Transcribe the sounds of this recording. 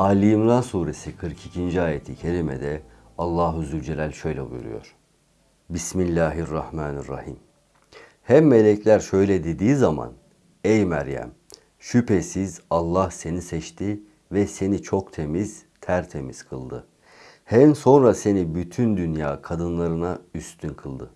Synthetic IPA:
aːlʲimlˠaːsuːɾe̞sikʰɯɾkʰicʰind͡ʒiaːjet̪ʰicʰe̞ɾimɛ̰d̪ɛ | alˠːaːɦuzylʲd͡ʒelʲælʲʃø̞jlʲɛbṵjṵɾṵjo̞̰ɾ̥ | bismilʲːaːɦirːɑhmaːnirːɑ̰him | hæmːe̞lʲɛclʲæɾʃø̞jlʲɛd̪ed̪iːzama̰n | ɛjmæɾjæ̰m | ʃypʰesizalˠːahse̞nisɛt͡ʃt̪ʰi | vɛse̞nit͡ʃʰo̞kt̪ʰe̞miz̥t̪ʰæɾt̪ʰe̞miz̥kʰɯlˠd̪ɯ | hænso̞nɾase̞nibyt̪ʰynd̪ynjaːkʰad̪ɯnlˠaɾɯnayst̪ʰynkʰɯlˠd̪ɯ

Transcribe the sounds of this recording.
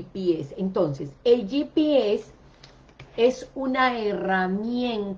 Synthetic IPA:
piesent̪o̞nseseld͡ʒipees | e̞sunaeramjẽn

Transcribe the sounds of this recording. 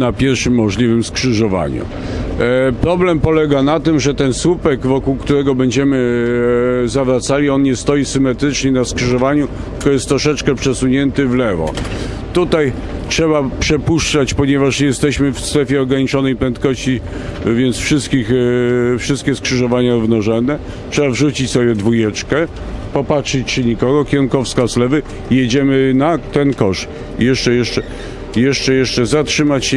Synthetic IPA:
napʲjɛɾʂɘmːɔʐlʲivɘmskʂɘʐɔva̰ɲṵ | pɾɔblɛmpɔlɛɡanat̪ɘmʐɛt̪ɛnswupɛɡvɔkuwkt̪uɾɛɡɔbɛɲd͡ʑɛmɘ | zavɾat̪salʲiɔnɲɛst̪ɔjisɘmɛt̪ɾɘt͡ʂɲɛnaskʂɘʐɔvaɲut̪ɨkɔjɛst̪ːɾɔʂɛt͡ʂkɛpʂɛsuɲɛnt̪ɘvlɛvɔ̰ | t̪ut̪aj | tʂɛβapʂɛpuʂt͡ʂat͡ɕpɔɲɛvaʂjɛst̪ɛɕmɘfst̪ɾɛfʲjɛɔɡɾaɲit͡ʂɔnɛjpɾɛnt̪kɔɕt͡ɕi | vʲjɛntsfʂɘst̪kʲixfʂɘst̪̚kʲɛskʂɘʐɔvaɲavnɔʐɛnːɛ | tʂɛbavʐut͡ɕit͡ɕsɔbʲjɛd̪vujɛt͡ʂkɛ | pɔpatʂɨt͡ɕt͡ʂɘɲikɔɡɔkʲɛŋkɔfskaslɛvɘ | jed͡ʑɛmɘnat̪ɛnkɔʂ | jɛʂt͡ʂɛjɛʂt͡ʂɛ | jɛʂt͡ʂɛjɛʂt͡ʂɛzatʂɘmat͡ɕɕɛ

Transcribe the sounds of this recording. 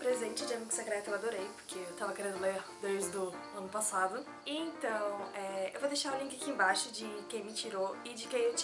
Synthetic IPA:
pɾezẽt͡ʃɪd͡ʒɪɐmiɡʊsekɾɛt̪ʊewad̪oɾejpo̥ɾkʰeewt̪avɐkeɾẽnd̪ʊleɾd̪ojzd̪ʊ | ɐ̃nʊpasad̪ʊ | iẽt̪ɐ̃w̃ɛḛwvod̪ejʃaɾũlĩkɪkɪẽbaʃʊd͡ʒɪkẽj̃mɪt͡ʃiɾoɪd͡ʒɪkẽj̃ewt͡ʃ

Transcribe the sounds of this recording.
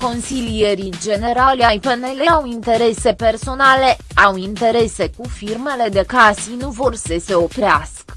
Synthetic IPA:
ko̞nsilije̞ɾid͡ʒe̞ne̞ɾaljajpenele̞awint̪e̞ɾe̞se̞pe̞rso̞nale̞awint̪e̞ɾe̞se̞kufirme̞le̞d̪e̞kasinuvo̞rsese̞o̞pɾeaskə

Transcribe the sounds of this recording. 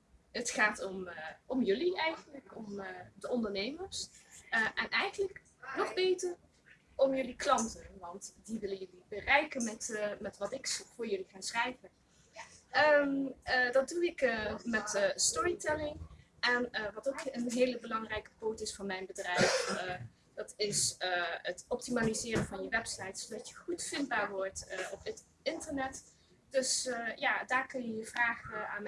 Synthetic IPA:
ətχaːtɔmɔmjɵliɛjχənləkɔmdəɔndəɹnejməɹsəʔɛnʔɛjχənlək | nɔχbejtəɹ | ɔmjɵliklɑntənʋɑntdiʋɪlənjəlibərɛjkənmɛtmɛtʋɑtɪkvʊːɹjɵliχaːnsrɛjvən | ə | dɑt̚duɪkəmɛtəstɔɹitɛlɪŋʔɛnəʋɑtowkənɦeːləbəlɑŋrɛjkə̥poːtɪsfɑnmɛjnbədrɛjf | d̥ɑtɪsəətɔp̚timaːlizɪːrənvɑnjəʋɛpsɑjtsodɑtjəχutfɪndbaːɹʋɔɹtʔɔpət | ɪntəɹnɛt | d̥ɵsjaːdaːɹkɵnjəjəvraːχəaːn

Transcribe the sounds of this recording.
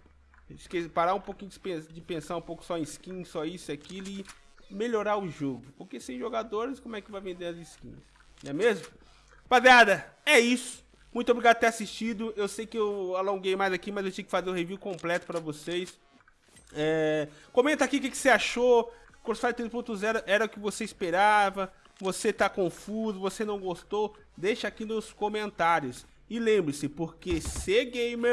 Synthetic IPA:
iskespaɾaũpokĩɲʊɪ̥pẽsd͡ʒɪpẽsaɾũpowkʊ̥sɔẽiskĩsɔisʊiakilʊɪ | meʎoɾaɾʊʒoɡʊpoɾkesẽj̃ʒoɡad̪oɾɪskõmʊɛkɪvajvẽnd̪eɾɐzɪskḭ̃ɲs | nɛmezmʊ | pad̪ead̪ɐɛisʊ̥ | mũj̃t̪obɾiɡad̪ʊɐt̪eɾasist͡ʃid̪ʊewsejkɪewalõɡejmajzakimɐzewt͡ʃĩjʊkɪfazeɾʊ̃heviwkõmplɛt̪ʊ̥pɾɐvosejs | ɛkõmẽnt̪ɐakiʊkɪkɪ̥seaʃo | koɾfaɪt̪ɾespõt̪ʊzɛɾʊʔɛɾɐʊkɪvoseispeɾavɐ | voset̪akõfuzʊvosenɐ̃w̃ɡost̪ow | d̪ejʃɐakinʊskomẽnt̪aɾjʊs | ɪlẽmbɾɪsɪpoɾkeseɡejmeɾ

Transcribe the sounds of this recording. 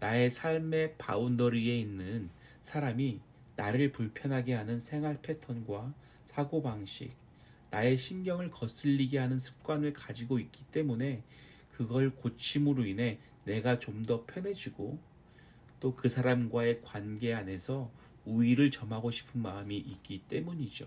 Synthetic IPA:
nae̞sʰaɭme̞pa̰undʌɾie̞inːɯn | sʰaɾami | naɾɯɭpuɭpʰjʌnɦaɡe̞ɦanɯnsʰe̞ŋɦwaɭpʰe̞tʰʌnɡwa | sʰaɡobaŋɕʰḭk̚ | nae̞ɕʰinɡjʌŋɯɭkʌs͈ɯʎːiɡe̞ɦanɯnsʰɯ̥p̚k͈wanɯɭkad͡ʑiɡoik͈̚it͈e̞mune̞ | kɯɡʌɭkot͡ɕʰimɯɾoine̞ | ne̞ɡat͡ɕomdʌpʰjʌnɦe̞d͡ʑiɡo | t͈okɯsʰaɾamɡwae̞kwanɡe̞ane̞sʰʌ | uiɾɯɭt͡ɕʌmɦaɡoɕʰi̥pʰɯnmaɯmiʔːk͈̚it͈e̞muɲid͡ʑo̰

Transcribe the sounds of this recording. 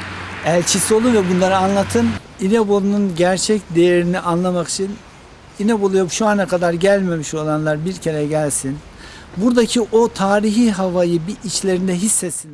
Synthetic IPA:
ælʲt͡ʃʰisio̞lˠunvɛbunlˠaɾɯanlˠat̪ʰɯn | inɛbolˠununɟæɾt͡ʃʰɛcd̪e̞jeɾiniʔanlˠamaki̥t͡ʃʰin | inebolˠujabuʃuanakʰad̪aɾɟælʲme̞miʃo̞lˠanlˠaɾbiɾcʰe̞ɾɛɟælʲsin | buɾd̪acʰiʔo̞t̪ʰaːɾiɦiɦavajɯbiʔit͡ʃlʲe̞ɾind̪ɛɦisːet̪sin

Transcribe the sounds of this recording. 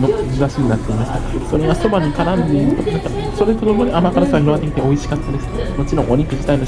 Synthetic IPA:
noʑiβaɕiɲ̟inat̪ːeimaɕi̥t̪aso̞ɾeɡaso̞maɲ̟ːikaɾãnd̪eit̪ːoãka | so̞ɾe̞t̪o̞nomo̞ɾʲiamakaɾasãçiɾoat̪ːekʲit̪eoiɕi̥kat͡sɨd̪e̞sɨ̥mo̞t͡ɕiɾõŋʔoɲ̟ikɯ̟d͡ʑi̥t̪aino

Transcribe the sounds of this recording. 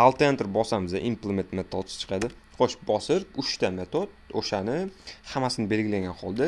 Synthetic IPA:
alˠt̪ʰent̪ɾbɒsamɪza̰ʔimplˠemet̪met̪ʰɒt̪ʰt͡ʃʰɨ̥qʰɑd̪ɪ | qʰoʃbɒsɪɾʊʃt̪ame̞t̪ʰot̪̚oʃanɪhamasɪnɪbe̞lɡʲɪlaŋɡʲanhɒlˠd̪a

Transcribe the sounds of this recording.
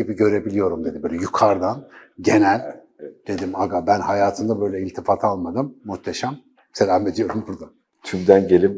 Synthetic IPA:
ebiɟø̞ɾe̞bilʲijo̞ɾumd̪ed̪ibøːlʲɛjukʰaɾd̪anɟe̞nælʲ | d̪̥e̞d̪imaɡabænhajaːt̪ʰɯnd̪abø̞jlʲɛilʲt̪ʰifat̪ʰalˠmad̪ɯmːuht̪ʰeʃam | se̞lʲaːme̞d̪ijo̞ɾumbuɾd̪a | t̪ʰymd̪ænɟe̞lʲim

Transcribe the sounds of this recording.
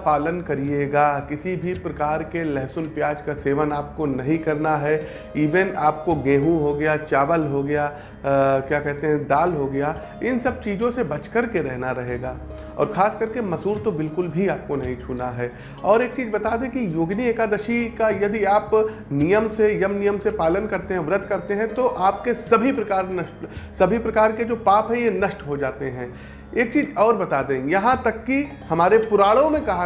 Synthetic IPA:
paːlənkɐɾieːɡaːkɪsibʱipɾɐkaːɾkelɛɦsʊnpjaːd͡ʒkaseːʋənaːp̚konɐɦĩkɐɾnaɦɛ | iːʋɛnaːp̚koɡẽːɦũɦoɡɐjat͡ʃaːʋəlɦoɡɐja | kjaːkɛɦt̪eɦɛ̃d̪aːlɦoɡɐjaː | ɪnsɐb̚t͡ʃiːd͡ʒõsebɐt͡ʃkəɾkeɾɛɦnaɾɐɦeːɡaː | ɔ̰ːɾxaːskɐɾkemɐsuːɾt̪obɪlkʊlbʱiaːp̚konɐɦĩt͡ʃʰuːnaɦɛː | ɔːɾeːk̚t͡ʃiːzbɐt̪aːd̪ẽkijoːɡnieːkad̪ɐʃikajɐd̪iaːp | nijəmsejəmnijəmsepaːlənkɐɾt̪eɦɛ̃ʋɾət̪kɐɾt̪eɦɛ̃t̪oʔaːp̚kesɐbʱipɾɐkaːɾnɐʃʈsɐbʱipɾɐkaːɾked͡ʒoːpaːpɦɛ̃jenɐʃʈɦod͡ʒaːt̪eɦɛ̃ː | eːk̚t͡ʃiːzɔːɾbɐt̪aːd̪ẽːjɐɦãt̪ɐkːi | hɐmaːɾepʊɾaːɽõmẽkɐɦa

